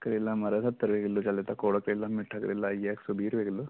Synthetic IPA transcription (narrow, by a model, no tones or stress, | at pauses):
kɐɾilːɐmɐɾɐsɐt̪ːɐɾʋeɡilːut͡ʃɐlːet̪ɐkoːɽɐkɾilːɐmiʈʰːakɐɾilːɐjeksubiːɾʋeɡilːu